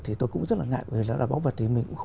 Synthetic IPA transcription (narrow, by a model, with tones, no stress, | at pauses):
t̪ʰi˨˩t̪o˧jkʊ̰˧˥ŋ͡mzə˦˥t̚laː˨˩ŋa̰˧˨jə˨i˨˩ɗɔ˨˦˥laː˨˩ɓa˨˦wvə˨˩t̚t̪ʰi˨˩mï˨˩ŋkʊ̰˧˥xə˧